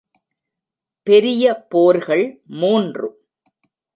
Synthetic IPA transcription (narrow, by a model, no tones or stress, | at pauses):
pɛɾɪjɐpoːɾɣɐɭmuːndrɯ